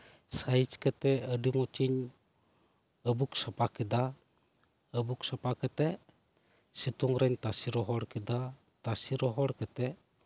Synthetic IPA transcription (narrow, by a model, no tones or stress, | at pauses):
sajt͡ʃkɛt̪ɛəɖimɔt͡ʃiɲ | əbuksapakid̪a | əbuksapakɛt̪ɛ | sit̪uŋɾaɲt̪asiɾɔɦɔɽkid̪a | t̪asiɾɔɦɔɽkɛt̪ɛ